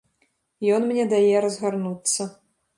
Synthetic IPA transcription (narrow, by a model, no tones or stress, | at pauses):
jɔnmnʲɛd̪ajɛɾɐzɣarnut̪sːɐ